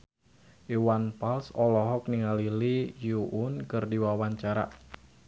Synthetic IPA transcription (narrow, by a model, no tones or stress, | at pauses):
ʔiwanpalsɔlɔɦɔk̚niŋalilijuʔunkərdiwawaɲt͡ʃaɾa̰